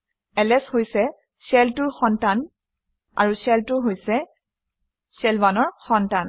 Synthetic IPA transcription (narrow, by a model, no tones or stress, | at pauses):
ɛlɛshojsɛ | sɛltʊɹxɔntan | a̰ɹusɛltʊɦojsɛ | sɛlbanɔɹxɔntan